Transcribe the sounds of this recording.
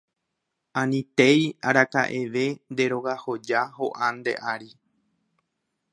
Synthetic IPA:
ãnĩt̪e̞jaɾaka̰ʔeʋe̞nd̪e̞ɾo̞ɣaho̞d͡ʒaɦo̞ʔãnd̪e̞̰ʔaɾi

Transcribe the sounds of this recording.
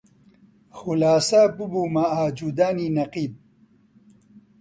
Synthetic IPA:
xulaːsapubumaaːd͡ʒud̪aːninɐqiːb̚

